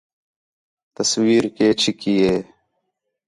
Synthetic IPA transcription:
t̪əswiːɾkeːt͡ʃʰikijeː

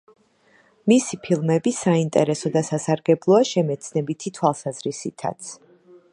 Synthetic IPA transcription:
misipʰilˠmɛbisaint̪ʼɛɾɛsɔd̪asasaɾɡɛblˠɔaʃɛmɛt̪sʰnɛbit̪ʰit̪ʰwalˠsazɾisit̪ʰa̰t̪sʰ

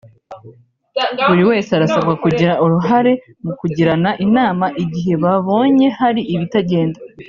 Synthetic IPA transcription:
uɾiwe̞ːseaɾasabɡakuɟiɾaʔuɾuɦaɾe̞ | mukuɟiɾanaʔinaːmaʔiɟiɦe̞βaβo̞ːɲe̞haɾiʔiβitaɟe̞ːnda

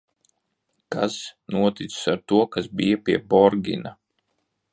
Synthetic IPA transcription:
kasnuɔt̪it̪ssaɾt̪uɔkasbijapʲiɛbɔɾɡʲḭna

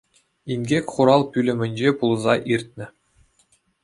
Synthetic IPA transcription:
inʲɡʲekʲχuɾɑlˠpʲylʲɘ̆mʲɘ̆nʲd͡ʑepulˠzɑʔirʲt̪̚ʲnʲɘ̆

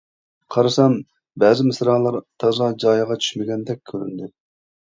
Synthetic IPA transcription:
qʰɑɾɨsɑn | bɛːzɪmɪsɾɑːlˠɑɾt̪ʰɑzɑd͡ʒɑːjɑʁɑt͡ʃʰy̥ʃmɪɡʲɛnd̪ɛk̚ʲkʲʰːøɾy̰nd̪ɪ

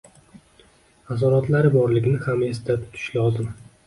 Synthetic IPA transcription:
as̬ɒɾat̪ʰlaɾɪbɒɾlɪɡʲɪnɪhame̞sd̪at̪ʰʊ̥t̪ʰɪ̥ʃlɒzɪm

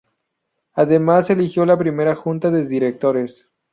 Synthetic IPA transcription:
aðe̞mase̞lixjo̞lapɾime̞ɾaxunt̪aðe̞ðiɾek̚t̪o̞ɾe̞s

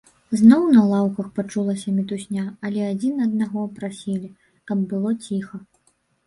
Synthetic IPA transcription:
znɔwnɐlˠawkɐxpat͡ʂulˠɐsʲɐmʲit̪usʲnʲaɐlʲɛad͡zʲinɐd̪̚naɣɔpɾasʲilʲi | kɐbːɨlˠɔt͡sʲixɐ

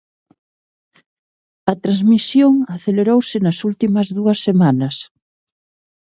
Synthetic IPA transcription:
ɐt̪ɾazmisjoŋaθeleɾowsɪnɐsult̪imɐzðuɐsːemanɐs

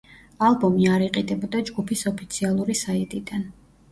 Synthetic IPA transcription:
alˠbɔmiaɾiqʼid̪ɛbɔd̪ad͡ʒɡupʰisɔpʰit̪sʰialˠuɾisait̪ʼid̪an

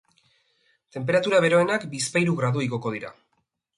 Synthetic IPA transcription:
t̪e̞mp̬e̞ɾat̪uɾaβ̞e̞ɾo̞e̞nakbispajɾuɣɾaðuiɣo̞ko̞ð̞iɾa̰

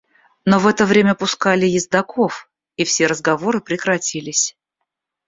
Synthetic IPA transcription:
novɛt̪əvɾʲemʲəpʊskalʲɪjɪzd̪ɐko̞f | ifsʲe̞ɾəzɡɐvo̞ɾɨpɾʲɪkɾɐtʲilʲɪsʲ

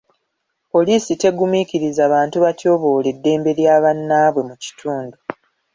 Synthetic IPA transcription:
po̞liːsite̞ɡumiciɾizaːβaːntuβaco̞ːβo̞ːle̞dːe̞ːmbe̞ɾjaːβanːaːβwe̞muci̥tʰuːndu

